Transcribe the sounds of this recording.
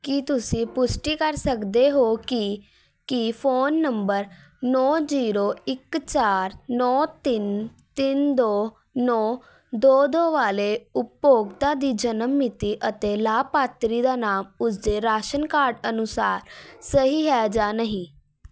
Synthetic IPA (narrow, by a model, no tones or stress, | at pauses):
kit̪ʊsĩːpʊsʈiːkəɾsəkd̪eːɦoːkɪ | kɪpʰoːnːəmbəɾ | nɔːd͡ʒiːɾoːɪkt͡ʃaːɾnɔːt̪ɪn | t̪ɪnd̪oː | nɔː | d̪oːd̪oːʋaːleːʊpjoːɡt̪aːd̪iːd͡ʒənəmːɪt̪iːʔət̪eːlaːpaːt̪ɾiːd̪aːnaːmʊsd̪eːɾaːʃənkaːɾɖənʊsaːɾsəɦiːɦɛːd͡ʒaːnəɦĩː